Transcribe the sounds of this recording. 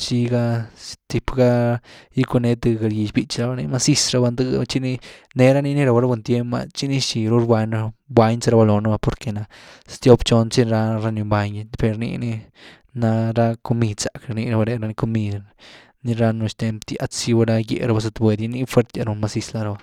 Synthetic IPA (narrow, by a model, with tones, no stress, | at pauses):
t͡ʃi˧ɡa˧st̪i˧pɡa˦ji˦ku˧ne˧˦t̪ɨ˧ɡa˧ɾji˧t͡ʃbi˧t͡ʃɾa˧ba˧ni˧ma˧si˦sɾa˧ba˧nd̪ɨ˦t͡ʃi˦ni˦ne˧ɾa˦ni˦ni˦ɾa˧ba˧ɾa˦bʷe˧nt̪je˦mba̰˧t͡ʃi˦ni˦ʃi˨ɾu˧˦ɾbʷa˧ɲɾa˧ba˧ɲt͡sa˧ɾa˧ba˧lo˨na˦ba˧po˨ɾke˨˧na˧st̪jo˦bt͡ʃo˧nt͡ʃi˦ɾa˧ɾa˧nu˧mba˧ɲ˧pe˧ɾnḭ˧ni˧ | na˧ɾa˦ko˧mi˧d̪sa˨kɾni˧ɾa˧ba˧ɾe˧ɾa˧ni˧ko˧mi˧d̪ | ni˧ɾa˧no˧ʃt̪e˧mt̪i˧a˦t͡si˧ba˧ɾa˧jḛ˧ʔɾa˧ba˧s̬a˧t̪bʷwe˧d̪i˧˦ni˦fwʷe˦ɾt̪e˧ɾu˧nma˧si˧sla˧ɾa˧ba˧